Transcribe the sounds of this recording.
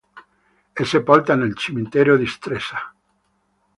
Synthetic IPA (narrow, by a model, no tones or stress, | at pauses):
esepɔlt̪anelt͡ʃimint̪ɛːɾjod̪ist̪ɾesa